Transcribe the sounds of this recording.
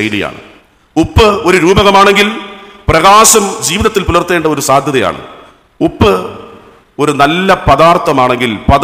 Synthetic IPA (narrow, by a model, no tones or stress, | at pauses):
ɐjlḭja̰ːɳɨ̰ | upːɨo̞ɾuɾuːbɐɣɐmaːɳe̞ŋɡilprɐɣaːɕɐmd͡ʑiːʋɐnɐt̪ːilpulɐrt̪ːe̞ːɳɖɐo̞ɾusaːd̪ʱjɐðɐja̰ːɳɨ̰ | upːɨ | o̞ɾunɐlːɐpɐðaːrt̪ːɐmaːɳe̞ŋɡilpɐð